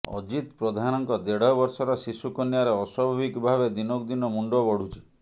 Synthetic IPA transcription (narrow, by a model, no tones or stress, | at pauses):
ɔ̰d͡ʒit̪pɾɔd̪ʱanɔŋkɔd̪eɽɔbɔɾsɔɾɔsisukɔnjaɾeɔswɔbʱabikbʱabed̪inokd̪inɔmuɳɖɔbɔɽ̤ut͡ʃʰi̥